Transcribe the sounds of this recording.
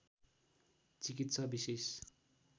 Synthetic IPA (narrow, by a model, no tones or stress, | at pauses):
t͡sikit̪sʌbises